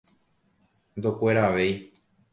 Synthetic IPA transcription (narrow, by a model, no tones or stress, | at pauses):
nd̪okʷe̞ɾaːʋe̞j